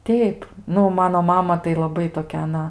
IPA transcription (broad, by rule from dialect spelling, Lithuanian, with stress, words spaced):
ˈtʲɛɪp ˈnʊ ˈmɑːnoː ˈmɑːmɐ tɐɪ lˠɐˈbɐɪ toːˈkʲɛ ɐˈnɐ